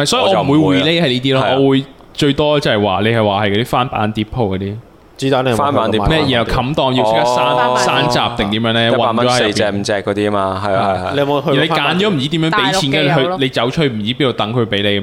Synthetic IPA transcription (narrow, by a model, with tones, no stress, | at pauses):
mɐ˨jsɔː˨˥ji˧ɔː˨˧m˨˩wu˨˧jwiː˨˩le˥jhɐ˨jliː˦˥t̪iː˥lɔː˧˥ʔɔː˨˧wuː˨˧j | t͡ʃɵ˧ɥt̪ɔː˥t͡sɐ˨hɐ˨˩jwa̰ː˨nle˨˧jhɐ˨jwaː˨˩ɦɐ˨jkɔː˨˧˥i˥faː˥npa̰ː˨˥nt̪iː˨˥p̚ʰo˨˧wkɔː˨˧t̪iː˥ | t͡si˨˥t̪a˨˥˧aː˦˥˨n˨˥mɛ˥jiː˨˩jɐ˨˩kʰɐ˨˥mt̪ɔː˨˧ŋji˧wʰɪ˥kaː˧˥saː˥n˨saː˥nt͡sa̰ː˨p̚t̪ɛ˨ŋt̪iː˨˥mjœː˨˧˥ŋlɛː˥˨wɐ˨nɔː˨˥ɐ˨jjɐ˨piɛː˧m̩˨˧t͡sɛː˧kːɔː˨˦t̪iː˦˥maː˧ɦɐ˨jle˧˨˧hi˨le˨˧jkaː˨˥nt͡ʃɔː˨˥m̩˨˩t͡siː˨˥t̪iː˨˥mœː˨˥pe˨˥jt͡sʰiː˧˥ɛː˥˧ɦɵ˧le˨˧jt͡sɐ˨˥wt͡ʃʰːm̩˨˩iː˨˥piː˥no˨˧wt̪ɐ˨˥ŋkʰɵ˨˧pe˨˥jle˨˧jm˦